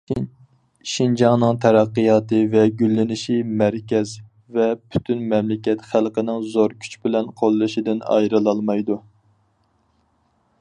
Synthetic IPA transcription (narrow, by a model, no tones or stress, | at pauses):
ʃind͡ʒɑŋnɨŋt̪ʰɛɾɑqːɨjɑːt̪ɨvɛɡʲylːɪnɪʃimæɾkʲɛz | vɛpʰy̥t̪ʰynmɛmlɪkʲɛt̪χælˠqənɪŋzoɾkʲʰy̥t͡ʃbɪlɛnqʰolˠːɨʃid̪ɪnɑ̰jɾɨlˠɑlˠmɑjd̪u